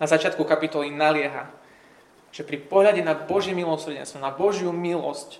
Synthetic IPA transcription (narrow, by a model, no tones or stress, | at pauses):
nazat͡ʃɪat̪kukapit̪ɔlinalɪɛɦa̰ | ʒ̥ɛpɾipɔɦʎaɟɛnabɔʒjɛmilɔsr̩ɟɛ̰nst̪ʋɔnabɔʒjumilɔ̰sc